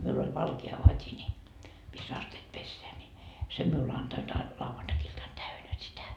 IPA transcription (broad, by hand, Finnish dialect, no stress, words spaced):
miul olʲ ʋɑlkeɑ ʋɑtʲi nʲi misː ɑsteːt pesːeæ nʲi sem miul ɑntoit ɑ lɑuʋɑntɑkiltɑn tæynæ sitæ